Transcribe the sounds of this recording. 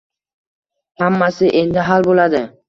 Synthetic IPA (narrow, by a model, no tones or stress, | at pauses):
hamːasɪʔe̞nd̪ɪɦalbolad̪ɪ